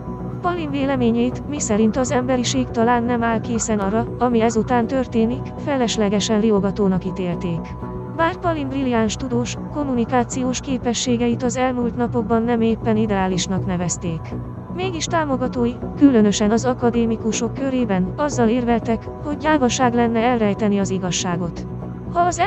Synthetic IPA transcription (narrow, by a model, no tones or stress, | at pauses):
pɒlinveːlɛmeːɲɛjit̪misɛɾint̪ɒzɛmbɛɾiʃeːkt̪ɒlaːnːɛmaːlkeːsɛnɒɾɒɒmiɛzut̪aːnt̪ørt̪eːnikfɛlɛʃlɛɡɛʃɛnrioɡɒt̪oːnɒkit̪eːlt̪eːk | maːrpɒlimbriliaːnʃt̪ud̪oːʃko̞mːunikaːt̪sijoːʃkeːpɛʃːeːɡɛit̪ɒzɛlmult̪nɒpo̞ɡ̚bɒnːɛmeːpːɛnid̪ɛaːliʃnɒknɛvɛst̪eːk | meːɡiʃt̪aːmo̞ɡɒt̪oːjikylø̞nø̞ʃɛnɒzɒkɒd̪eːmikuʃo̞kːøɾeːbɛnɒzːɒleːrvɛlt̪ɛk | ho̞ɟːaːvɒʃaːɡlɛnːɛɛlrɛjt̪ɛniɒziɡɒʃːaːɡo̞t̪ | hɒːz